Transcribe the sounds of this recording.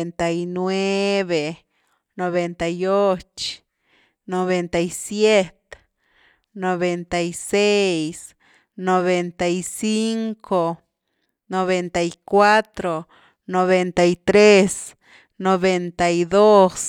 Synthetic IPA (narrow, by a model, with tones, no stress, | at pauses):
ent̪ajinwe˦βe | no˨βe˧nt̪ajo˦t͡ʃ | no˨βe˧nt̪ajsje˦t̪ | no˨βe˨nt̪ajse˦js | no˨βe˧nt̪a˨jsi˦ŋkʰo˨ | no˨βe˧nt̪a˨jkwa˦t̪ɾo˨ | no˨βe˧nt̪aijt̪ɾe˦s | no˨βe˧nt̪ajd̪o˦s